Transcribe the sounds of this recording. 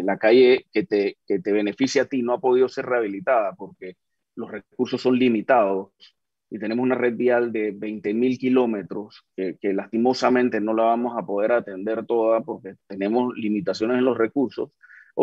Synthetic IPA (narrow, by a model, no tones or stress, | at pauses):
lakaʝe̞ke̞t̪eket̪e̞β̞e̞ne̞fisjat̪ino̞apo̞ð̞iðo̞se̞ɾre̞aβ̞ilit̪aðapo̞ɾke̞ | lo̞sre̞kuɾso̞sːo̞nlimit̪aðo | it̪e̞nemosunare̞ð̚biald̪e̞βe̞jnt̪e̞milkilo̞me̞t̪ɾo̞skeke̞last̪imo̞samẽnt̪e̞no̞laβamo̞sapo̞ð̞e̞ɾat̪e̞nd̪e̞ɾt̪o̞ðapo̞ɾke̞t̪e̞ne̞mo̞slimit̪asjo̞nese̞nlo̞sre̞kuɾso̞̰s